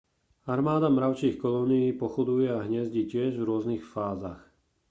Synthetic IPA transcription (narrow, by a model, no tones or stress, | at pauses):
aɾmaːd̪amɾaʊt͡ʃiːxkɔlɔːnijiːpɔxɔd̪ujɛaɦɲɛzɟiːcɪɛʒvɾʊɔznixfaːzax